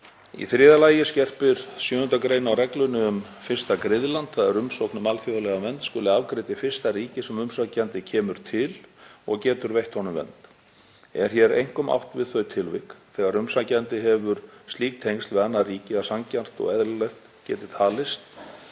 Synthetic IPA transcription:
ḭθɾɪːðalaːjɪscɛr̥pɪɾ̥sjʏːhʏnt̪akɾejnawrɛklʏnɪʏm | fɪrst̪akɾɪðlant̪θaðɛɾʏmsowknʏmalfjowðalɛɣamɛnt̪skɔːlɪavkɾɪːt̪ɪfɪ̥st̪ariːcɪsɛmʏmsacɛnt̪ɪcʰɛːmʏɾ̥t̪ʰɪlɔɣcɛːt̪ʏɾvejht̪hɔnʏmvɛ̰nt̪ | ɛ̰ɾ̥çjɛɾḛjŋ̥kɔma̰wht̪vɪðθœɥt̪ʰɪlvɪkθɛːɣaɾʏmsacɛnt̪ɪɦɛvʏɾ̥st̪liːk̚t̪ʰejŋst̪vɪðanːariːcɪasaŋcar̥t̪ɔ̰ɣɛðllɛht̪ | cɛːt̪ɪ̥t̪ʰaːlɪst̪

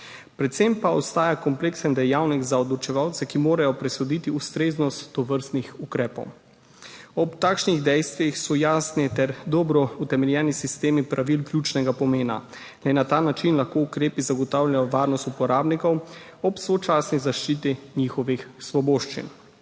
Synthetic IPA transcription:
pɾɛt̪sempaɔst̪aːjakɔmpleːksənd̪ɛjawniɡzaɔd̪lɔt͡ʃɛʋawt̪sɛkimoːɾajɔpɾɛsɔd̪it̪iust̪ɾeːznɔst̪ːɔʋəɾst̪nixukɾɛːpɔ̰w | ɔpt̪aːkʃniɣd̪ɛjst̪ʋixsɔjaːsnit̪ɛɾd̪ɔbɾɔut̪ɛmɛljɛːnisist̪eːmipɾaʋilklʲjuːt͡ʃnɛɡapɔmeːna̰ | lɛnat̪aːnat͡ʃinlaxkoukɾeːpizaɡɔt̪awlʲjajɔʋaːɾnɔst̪upɔɾaːbnikɔwɔpsʋɔt͡ʃaːsnizaʃt͡ʃiːt̪iniːxɔʋixsʋɔboːʃt͡ʃḭn

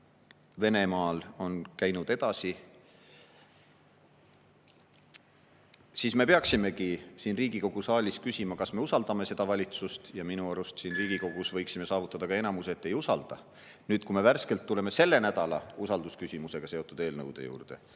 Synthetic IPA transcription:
ve̞ne̞mɑːlo̞nkæjnud̪e̞d̪̥ɑsi | siːsme̞peɑksime̞kisiːnriːɡ̥iko̞ɡ̥usɑːlʲiskysimɑkɑsme̞usɑld̪ɑme̞se̞d̪̥ɑvɑlʲit̪sust̪jɑminuɑɾust̪siːnriːɡ̥iko̞ɡ̥usvɤjksime̞sɑːvut̪ːˑɑd̪̥ɑkɑe̞nɑmuset̪ːe̞jusɑld̪̥ɑ | nyːd̪̥kume̞værske̞lt̪ːule̞me̞se̞lːe̞næd̪̥ɑlɑ̰usɑld̪̥uskysʲimuse̞ɡ̥ɑse̞ot̪ːˑud̪e̞ːlnɤ̰wd̪̥e̞̰jṵːrd̪̥e̞̰

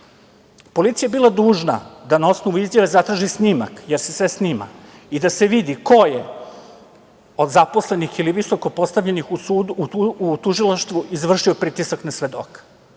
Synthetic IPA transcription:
po̞lit̪sijaebilˠad̪uːʒna̰d̪anaosnoʋuizjaʋezat̪ɾaːʒisnima̰kjeɾsesʋe̞snima̰id̪ase̞ʋid̪iko̞je | o̞d̪zapo̞sle̞nixiliʋiso̞kopo̞st̪aʋʎenixuuut̪uʒilˠaʃt̪ʋuizʋr̩ʃio̞pɾiːt̪isaknasʋe̞d̪o̰kḁ

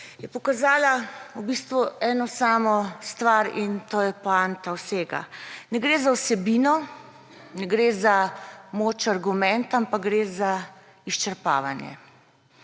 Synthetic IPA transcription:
jɛpɔkazaːlaubist̪ʋuɛːnɔsaːmɔst̪ʋaɾint̪oːjɛpant̪awseːɡa̰nɛɡɾeːzawsɛbiːnɔ | nɛɡɾezamoːt͡ʃaɾɡumɛnt̪ampaɡɡɾeːza | iʃt͡ʃɛɾpa̰ːʋanjɛ̰

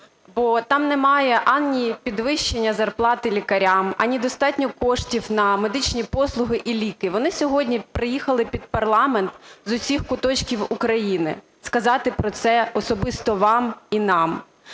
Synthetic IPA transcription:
bɔt̪ɑmnɛmɑjɛʔɑnʲnʲipʲid̪ʋɪʃt͡ʃenʲːɐzɐrplˠɑt̪ɪlʲikɐɾʲamɐ̰nʲid̪ɔst̪ɑtʲnʲɔkɔʂtʲiwnɐme̞d̪ɪt͡ʃnʲipɔslˠʊɦɪʔilʲikɪʋɔnɪsʲɔɦɔdʲnʲipɾɪjixɐlˠɪpʲid̪̚pɐrlˠɑment̪zʊsʲixkʊt̪ɔt͡ʃkʲiwukɾɐjinɪ̰ | skɐzɑt̪ɪpɾɔt̪sɛɔsɔbɪst̪ɔʋɑminɑm

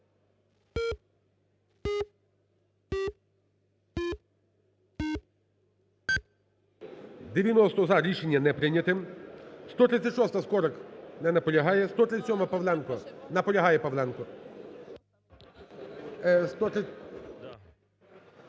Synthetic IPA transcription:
d̪eʋʲjɐnɔst̪ɔzɐɾʲiʃenʲːɐnɛpɾɪnʲɐt̪ɪmst̪ɔt̪ɾɪt̪sʲɐtʲʃɔst̪ɐskɔɾɔknɛnɐpɔlʲɐɦɑjɛst̪ɔt̪ɾɪt͡s̪ːʲsʲɔmɐɐpɐʋlˠɛnkɔnɐpɔlʲɐɦajɛpɐʋlʲˠɛnkɔ | st̪ɔt̪

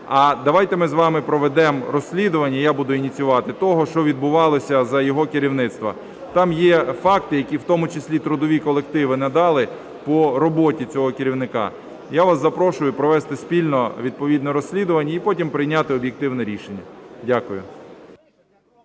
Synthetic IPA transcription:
ɐd̪ɐʋɑjt̪ɛmɪzʋɑmɪpɾɔʋɛd̪ɛmɾɔsʲlʲid̪ʊʋɐnʲːɐjabud̪ʊinʲit͡sʲjʊʋɑt̪ɪt̪ɔɦɔʃt͡ʃɔʋʲid̪̚bʊʋɑlˠɔsʲɐzɐjɔɦɔkɪɾʲiwnɪt̪st̪ʋɐ̰ | t̪ɑmjɛfɑk̚t̪ɪjɐkʲiwt̪ɔmʊt͡ʃesʲlʲit̪ɾʊd̪ɔʋʲikɔlˠekt̪ɪʋɪnɛd̪ɑlˠɪ | pɔɾɔbɔtʲit͡sʲɔɦɔkɪɾʲiwnɪkɑ̰ | jaʋasɐpɾɔʃʊjʊpɾɔʋɛst̪ɪspʲilʲnɔʋʲid̪̚pɔʋʲid̪nɛɾɔsʲlʲid̪ʊʋɐnʲːɐipɔtʲimpɾɪjnʲat̪ɪɔbʲjek̚t̪ɪwnɛɾʲiʃenʲːɐdʲakʊjʊ̰

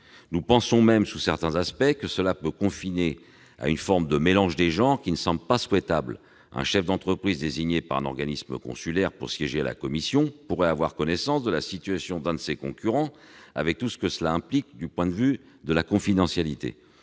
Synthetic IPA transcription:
nupɑ̃sɔ̃mɛmsusɛʁt̪ɛ̃zaspɛkəsəlapøkɔ̃fine | a̰ynfɔʁmd̪əmelɑ̃ʒd̪eʒɑ̃ʁkʲinəsɑ̃bləpaswɛt̪abl | ɛ̰̃ʃɛfd̪ɑ̃t̪χəpχizd̪eziɲepaʁɛ̰̃nɔ̰ʁɡanismə̰kɔ̰̃sylɛʁpṵʁsjɛʒela̰kɔmisjɔ̃puʁɛavwaʁkɔnɛsɑ̃sd̪əlasit̪yasjɔ̃d̪ɛ̃d̪əsekɔ̃kʲyʁɑ̃ | a̰vɛk̚t̪usə̥kəsəlaɛ̃plik̚d̪ypwɛ̃d̪əvy | d̪əlakɔ̃fid̪ɑ̃sjalit̪ḛ

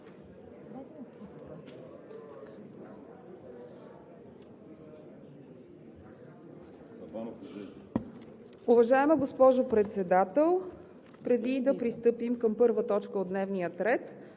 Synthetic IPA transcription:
ʊvɐʒaɛməɡospɔʒʊpɾɛt̪sɛd̪at̪ɛlˠ | pɾɛd̪id̪ɐpɾist̪ɤpimkəmpɤɾvət̪ɔt͡ʃkəod̪nɛvnijət̪ɾɛt̪

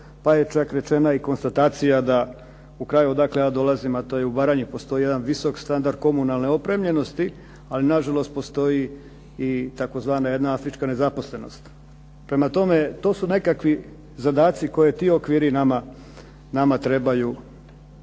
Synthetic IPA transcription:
paje̞t͡ʃakɾe̞t͡ʃe̞naiko̞nst̪at̪aːt̪sijad̪a | ukɾaːjud̪aklejaːd̪o̞lˠazimat̪o̞jeubaːɾaɲupo̞st̪o̞ijed̪anʋiso̞kst̪and̪aɾd̪̚ko̞munalˠne̞o̞pɾe̞mʎe̞no̞st̪i | alinaʒalo̞st̪̚po̞st̪o̞i | it̪ako̞zʋaːnaje̞d̪naafɾit͡ʃkane̞zapo̞sle̞no̞̰st̪ | pɾe̞mat̪o̞me̞t̪o̞ːsune̞kakʋi | zad̪aːt̪siko̞je̞t̪iːokʋiːɾinama | namat̪ɾe̞baju

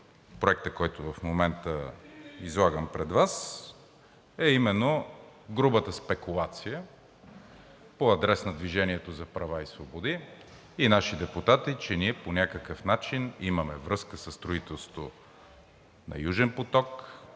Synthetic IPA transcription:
pɾoɛk̚t̪əkɔjt̪ʊvɐfmomɛnt̪əizlˠaɡəmpɾɛd̪vas | ɛimɛnːoɡɾubət̪əspɛkulˠat̪sijə | poɐd̪ɾɛsnɐd̪viʒɛniɛt̪ozɐpɾɐvaisvobod̪iː | naʃid̪ɛput̪at̪it͡ʃɛniɛponʲakəkəfnat͡ʃiniməmɛvɾɤskəsəst̪ɾoit̪ɛlˠso̥t̪o | nɐ̰juʒɛnpot̪ɔk

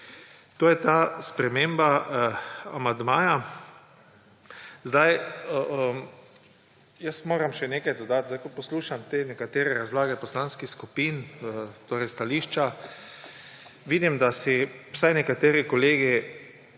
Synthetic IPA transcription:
t̪oːjɛt̪aspɾɛmemba | a̰mand̪maːja | zd̪aj | jəsmoːɾamʃɛneːkajd̪ɔd̪at̪zajkopɔsluːʃamt̪eːnɛkat̪eːɾɛɾazlaːɡɛpɔslanskixskupiːnt̪oːɾɛjst̪aliːʃt͡ʃa | ʋiːd̪imd̪asiwsajnɛkat̪eːɾɛkɔleːɡi

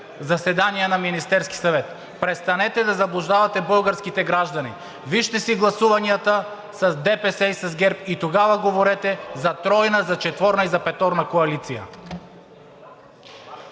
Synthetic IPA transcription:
zɐsɛd̪aniɛnaminist̪ɛɾski̥sɐvɛt̪ | pɾɛt̪st̪anɛt̪ɛd̪azɐblˠuʒd̪avɐt̪ɛbɤlˠɡaɾskit̪ɛɡɾaʒd̪ɐnḭ | viʃt̪ɛsiɡlˠɐsuvaniat̪a | sɐzd̪ɛpɛsɛisɐzɡɛɾpit̪oɡavɐɡovoɾɛt̪ɛzɐt̪ɾɔjnazat͡ʃɛt̪vɔɾnɐizɐpɛt̪ɔɾnakoɐlit̪sijɐ̰

